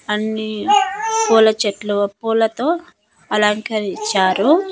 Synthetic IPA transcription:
ɐnːi | puːlɐt͡ʃɐʈluʋɐpːuːlɐt̪oː | ɐlaŋkɐɾit͡ʃːaːɾu

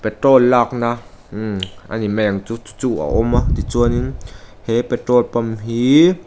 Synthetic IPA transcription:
pet̪ɾolːak̚na | ʔa̰nimɛŋt͡suu̥t͡sua̰ʔomat̪it͡suəninhepet̪ɾolpamɦi

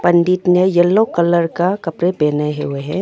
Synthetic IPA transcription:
pɐnɖiːʈ̪nəjɐlːõkələɾkakɐpɾepeːneɦeʊeɦɛ̃

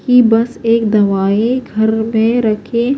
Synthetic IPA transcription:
kibɐseːk̚d̪ɐʋaːeɡʱɐɾmẽɾɐkʰe

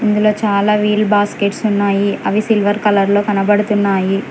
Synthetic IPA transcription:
ind̪ulo̞ːt͡ʃaːlaːʋiːɭbaːskeʈsunːaːjiɐʋisilʋɐɾkɐlɐɾlo̞ːkɐnɐbɐɽut̪unːaːji

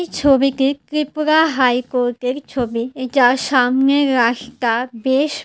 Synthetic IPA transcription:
t͡ʃʰobikekɾipɾaɦajkoɾʈeɾt͡ʃʰobid͡ʒaʃamneɾakʰt̪abeʃ

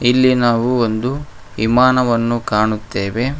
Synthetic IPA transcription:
ilːinaːʋuond̪u | imaːnɐʋɐnːukaːɳut̪ːeːʋe̞

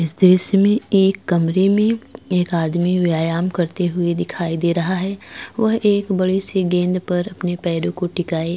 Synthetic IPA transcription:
ɪsd̪ɪʃmẽeːkːɐmɾemẽeːkaːd̪miʋjaːjaːmkɐɾt̪eɦʊed̪ɪkʰaːid̪eːɾɐɦaɦɛːʋɐɦeːkbɐɽeseɡẽːnd̪pɐɾɐpnepɛːɾõkoʈɪkaːe

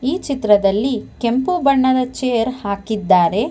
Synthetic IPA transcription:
iːt͡ʃit̪ɾɐd̪ɐlːike̞mpubɐɳːɐd̪ɐt͡ʃeːjɐɾhaːkid̪ːaːɾe̞

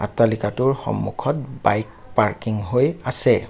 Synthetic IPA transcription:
a̰tːalikatʊɹxɔ̰mːukʰɔt̚bajk̚ | paɹkiŋɦojasɛ

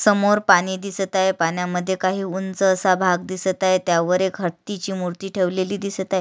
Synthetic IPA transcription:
səmoɾpaɽ̃iːd̪ist̪ajepanjaməd̪ʱːjekaɦiːunt͡səːsabʱaɡ̚d̪isət̪ajt̪jaʋəɾekɦəɽt̪it͡ɕiːmuɾt̪iːʈʰeʋleliːd̪ist̪aj

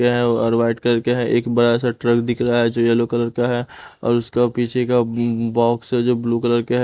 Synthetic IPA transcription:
eɦɛ̃ɔɾʋaːɪʈkəɾkeɦɛ̃ʔeːkbɐɽaɛːsaʈɾəkd̪ɪkʰɾaaɦɛd͡ʒoːjɛlokələɾkaɦɛɔ̰ːɾʊskapiːt͡ʃʰekabɔːksɦɛd͡ʒoːbluːkələɾkeɦ

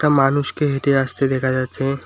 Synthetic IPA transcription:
ʈamanuʃkeɦeʈeaʃt̪ed̪ɛkʰad͡ʑatːɕʰe

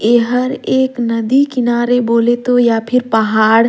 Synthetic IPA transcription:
eɦəɾeːknɐd̪ikɪnaːɾeboːlet̪ojapʰɪɾpəɦaːɽ

